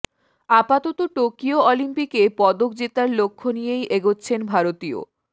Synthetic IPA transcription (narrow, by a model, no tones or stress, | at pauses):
apat̪ɔt̪oʈokioɔlimpikepɔd̪okd͡ʑet̪aɾlokʰːonijejʔeɡotːɕʰenbʱaɾot̪io̰